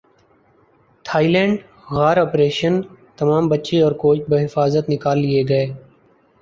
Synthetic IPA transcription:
t̪ʰaːiːlɛ̃ːɳɖ | ɣaːɾɔːpɾeːʃənt̪ɐmaːmbətːʃeɔːɾkoːt͡ʃbəɦɪfaːzət̪nɪkaːlːieɡəeː

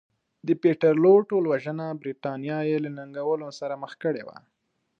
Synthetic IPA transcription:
d̪əpeʈaɾloʈolwaʒənabɾit̪ɑnjɑjelanaŋɡawəlosaɾaməxkəɽḛwa̰

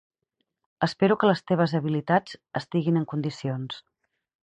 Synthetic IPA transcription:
əspeɾukələst̪eβ̞əzəβilit̪ad͡zəst̪iɣinəŋkund̪isions

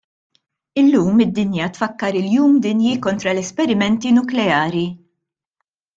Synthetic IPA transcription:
ɪlːuːmɪd̪ːɪnjɐt̪fɐkːɐɾɪljuːmd̪ɪnjikɔnt̪ɾɐlɛspɛɾɪmɛnt̪inʊklɛɐːɾi

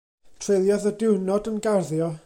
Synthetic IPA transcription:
tʰr̥ejlˠjɔðədɪwnɔdənɡarðjɔ

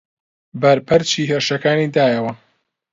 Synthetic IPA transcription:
bɐɾpʰɐɾt͡ʃʰiːɦeːɾʃɐkaːniːd̪aːjɐwɐ

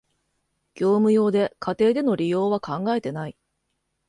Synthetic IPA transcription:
ɡ̥ʲo̞ːmɯ̟jo̞ːd̪e̞kat̪e̞ːd̪e̞no̞ɾʲijo̞ːβ̞akãŋɡae̞t̪e̞nai

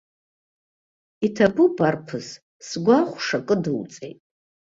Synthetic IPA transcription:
itʰabubarpʰɨz | sɡʷaχʷʂakʼɨdɨwt͡sʼejtʼ

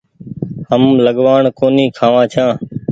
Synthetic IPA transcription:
həmləɠʋaːɳkoːniːkʰaːʋãːt͡ʃʰãː

